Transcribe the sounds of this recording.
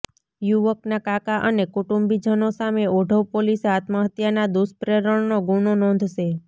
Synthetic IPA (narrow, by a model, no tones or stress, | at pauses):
juʋəknakakaʔənekuʈumbid͡ʒənosameoɖʱəʋpoliseat̪məɦət̪janad̪uspɾeɾəɳnoɡunonɔ̃nd̪ʱʃe